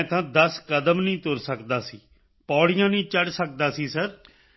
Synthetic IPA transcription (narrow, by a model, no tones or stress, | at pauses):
t̪ʰãːd̪əskəd̪əmnĩːt̪ʊɾsəkd̪aːsiː | pɔːɽɪjãːnĩːt͡ʃəɖsək̚d̪aːsiːsəɾ